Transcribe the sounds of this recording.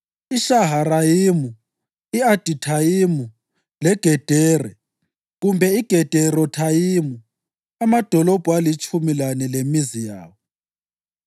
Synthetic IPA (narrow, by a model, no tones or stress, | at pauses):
iʃaɦaɾajimu | iad̥ʱitʰajimu | lɛɡ̥ʱɛd̥ʱɛːrɛ | ɣumbʱɛiɡ̥ʱɛd̥ʱɛɾɔtʰajimu | amad̥ʱɔlɔb̥ʱuwalit͡ʃʼumilanɛlemizija̰ːwɔ